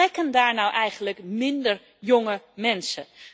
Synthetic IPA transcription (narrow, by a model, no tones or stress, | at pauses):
ɛkəndaːɹnawʔɛjχənləkmɪndər | jʊŋəmɛnsə̰